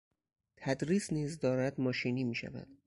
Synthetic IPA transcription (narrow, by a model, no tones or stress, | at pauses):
t̪ʰæd̪ɾiːsniːzd̪ɒːɾæd̪mɒːʃiːniːmiːʃæ̰væ̰d̪̥